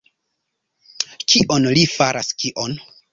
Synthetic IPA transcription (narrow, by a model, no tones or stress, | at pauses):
t͡ʃiʔo̞nlifaɾaskiʔon